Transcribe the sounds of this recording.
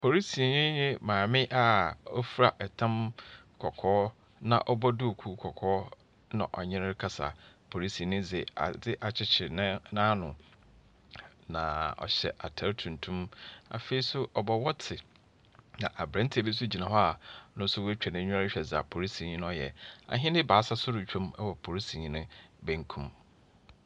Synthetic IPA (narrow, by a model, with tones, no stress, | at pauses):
pʰo˨ɾi˦si˨ɲɪ̃˦ɲɪ̃˦mãː˨mɪ̃˦ʔa˨ɔ˦fɾa˨ʔɛ˨tʰã˦m | kʰɔ˨kʰɔː˦ | nã̰˨ʔɔ˦bɔ˦dʊ˦o˨kʰu˦kʰɔ˨kʰɔː˦ | nã̰˨ʔɔ˨ɲɪ̃˦ɾɾɪ˦kʰa˦sa̰˨ | pʰo˨ɾi˦si˨nɪ̃˦d͡zɪ˨a̰˨dɪ˦ʔa˨t͡ɕʰɪ˦t͡ɕʰɪ˨nɪ̃˦nãː˦nʊ̃˨ | nã̰˨ɔ̰˨ɕɛ̰˨ʔa̰˨tʰɛ˦ɾtʰũ˨n̩˨tʰũ˦ma̰˨fe˨i˦sʊ˦ʔɔ˨bɔ˨wɔ˦tʰɪ˨ | nã˨ʔa˨bɾã˦n̩˦tʰi˨æ˨bi˦s̬ʊ˦d͡ʑi˨nã˨ɦɔ˦a˨nʊ̃˦n̩˦sʊ˦wɛ˦t͡ɕᶣɛ˨nɪ̃˦ɲ̃ᶣ˦a˦ɾɪ˦ɕᶣɛ˨za˨pʰo˨ɾi˦si˨ɲĩ˦n˦ɔ˦jɛ̰˨a̰˨ɦɪ̃˦nɪ˦baː˨˦sa˦sʊ˦ɾʊ˨t͡ɕᶣʰõ˦mɛ˦wɔ˨pʰo˨ɾi˦sĩ˨ɲĩ˨nɪ̃˦bæ̃˦ŋ̩˦kʰũ˦m